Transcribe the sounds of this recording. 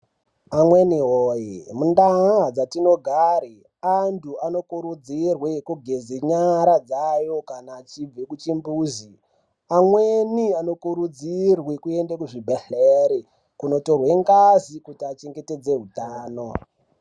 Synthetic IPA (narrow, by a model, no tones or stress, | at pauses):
amweniɦoːjimundaɦad͡zatino̞ɡʱaɾi | antʰuano̞kuɾud͡zirwekuɡʱezeɲaɾad͡zajo̞kanaːt͡ʃib͡vekut͡ʃimbuːzi | amweniano̞kuɾud͡zirwekue̞ndekuʐibʱeɬeɾe | kuno̞to̞rweŋɡazikutiat͡ʃe̞ŋɡe̞te̞d͡ze̞ɦutaːno̞